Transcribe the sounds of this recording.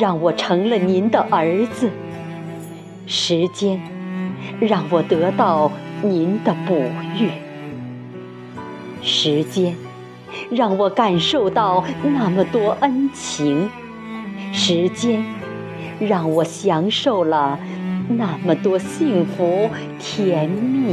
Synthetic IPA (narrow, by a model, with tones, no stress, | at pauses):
ɻɑ˥˩ŋwɔ˨˩ʈ͡ʂʰɤ˧˥ŋlə˧ni˧˥nd̪ə˧ʔə˧˥t͡sɹ̩˧ | ʂɻ̩˧˥t͡ɕjɛ˥n | ɻɑ˥˩ŋwɔ˨˩t̪ɤ˧˥t̪ɑ˥˩ʊni˧˥nd̪ə˧pu˨˩y˥˩ | ʂɻ̩˧˥t͡ɕjɛ˥n | ɻɑ˥˩ŋwɔ˨˩ka˨˩nʂo˥˧ʊt̪ɑ˥˩ʊna˥˩mə˨˩t̪wɔ˥ʔə˥nt͡ɕʰi˧˥ŋ | ʂɻ̩˧˥t͡ɕjɛ˥n | ɻɑ˥˩ŋwɔ˨˩ɕjɑ˧˥ŋʂo˥˩ʊlə˩na˥˩mə˩t̪wɔ˥ɕi˥˩ŋfu˧˥ | t̪ʰjɛ˧˥nmi˥˩